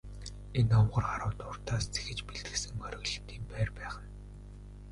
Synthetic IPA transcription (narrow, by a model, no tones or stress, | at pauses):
enɔwɢə̆rɢaɾʊːt̪ʊrt̪aːst͡sʰe̥xɘ̆t͡ɕpiɮt̪ɘ̆sɘ̆ŋχœɾɪ̆ɣɮ̆t̪iːmpæːrpæːχə̆n